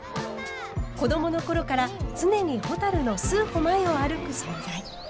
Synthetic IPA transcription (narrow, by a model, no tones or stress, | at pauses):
ko̞d̪o̞mo̞no̞ko̞ɾo̞kaɾat͡sɨne̞ɲ̟iho̞t̪aɾɯ̟no̞sɨːhomaio̞aɾɯ̟kɯ̟ɕõnzai